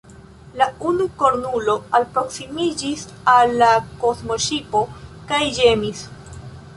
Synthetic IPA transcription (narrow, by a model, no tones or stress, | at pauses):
launuko̞ɾnulo̞alpɾo̞ksimid͡ʒis | alːako̞zmo̞ʃipo̞kajd͡ʒe̞mis